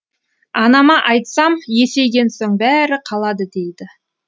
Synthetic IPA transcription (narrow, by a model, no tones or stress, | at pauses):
ɑnɑmɑʔɑjt̪sɑmje̞se̞jɡʲe̞nsoɴbæɾɪqʰɑlˠɑd̪əd̪e̞jd̪ɪ